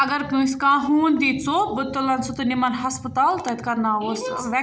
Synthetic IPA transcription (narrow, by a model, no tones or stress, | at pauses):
ɐɡɐɾkɨ̃skaːɦuːnd̪it͡sobɨt̪ːolɐnsʰot̪ɨnimɐnɦɐspət̪aːlt̪ɐt̪kɐɾnaːoːsʋɛ